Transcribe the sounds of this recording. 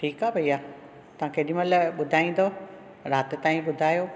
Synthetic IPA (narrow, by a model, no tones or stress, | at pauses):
ʈʰiːkaːbʱɐiːaː | t̪ɐʋ̤ãːkʰeɗĩmɐlɓʊd̪ʱaːĩːn̆d̪o | ɾaːt̪et̪aːĩɓʊd̪ʱaːjoː